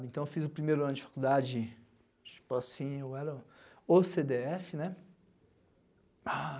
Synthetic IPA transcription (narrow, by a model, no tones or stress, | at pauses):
bɪẽnt̪ɐ̃ewfizʊpɾimejɾʊɐ̃nʊd͡ʒɪfḁkud̪ad͡ʒɪ | t͡ʃi̥pʊasĩowɛɾɐosed̪eɛfɪnɛ | a